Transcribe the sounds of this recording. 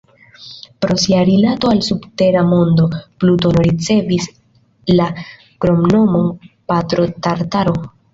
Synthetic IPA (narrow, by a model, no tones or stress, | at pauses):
pɾo̞siaɾilato̞alsubte̞ɾamo̞ndo̞pluto̞noɾit͡se̞vis | la | ɡ̥ɾo̞mno̞mo̞npatɾo̞taɾtaɾo